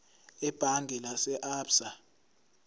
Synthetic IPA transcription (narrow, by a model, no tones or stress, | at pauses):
ɛb̥ʱaŋɡʱɛlasɛʔaːpsa